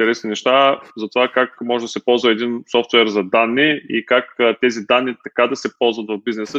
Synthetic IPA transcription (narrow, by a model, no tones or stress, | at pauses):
ɛɾɛsninɛʃt̪azɐt̪ovakakmɔʒɛd̪ɐsɛpɔlˠzvɐɛd̪insɔft̪vɛɾzɐd̪anːiḭkakːt̪ɛzid̪anːit̪ɐkad̪ɐsɛpɔlˠzvɐt̪vɐvbiznɛsə